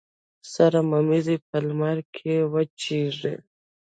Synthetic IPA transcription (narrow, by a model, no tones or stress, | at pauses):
saɾamamizip̚ʰalmaɾkʰewət͡ʃiʐḛ